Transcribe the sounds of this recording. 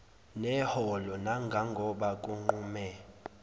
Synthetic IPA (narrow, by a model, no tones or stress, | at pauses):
nɛhɔlɔnaŋɡʱaŋɡʱɔɓakʼuŋ͡ǃuːmɛ